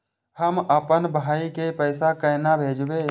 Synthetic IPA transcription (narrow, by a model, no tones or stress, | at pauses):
həməpənbʱaːikepəːsakəjnabʱeːd͡ʒbeː